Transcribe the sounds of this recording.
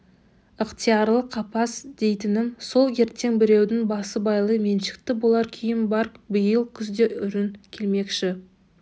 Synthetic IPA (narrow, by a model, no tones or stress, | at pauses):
əqt̪ʰijɑɾlˠəqʰːɑpɑsd̪̥e̞jt̪ɪnɪmso̞lˠe̞ɾt̪eŋbɪɾe̞wd̪ɪŋbɑsəbɑjlˠəjme̞nʃɪ̥kt̪ɪbo̞lˠɑɾkʲʰijɪnbɑɾbəjəlˠkʲʰʏzd̪e̞ʔʏɾɪŋkʲʰe̞lme̞kʃɪ